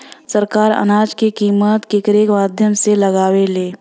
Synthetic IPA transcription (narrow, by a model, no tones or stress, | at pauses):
səɾkaːɾə̰naːd͡ʒkekiːmət̪kekəɾeːkmaːd̪ʱjəmseləɡaːweleː